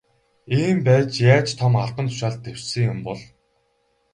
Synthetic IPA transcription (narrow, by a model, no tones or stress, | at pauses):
eːmpæːt͡ɕjaːt͡ɕt̪ʰɔmartə̆nt̪ʰʊ̥ʃaːɮt̪ːew̥sɘ̆ŋjʊmpɔɮ